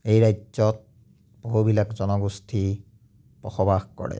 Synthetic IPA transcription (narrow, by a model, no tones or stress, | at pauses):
ejɹajzɔt̚ | b̥oɦubilakzɔnɔɡustʰi | pɔxɔbaxkɔ̰ɹɛ̰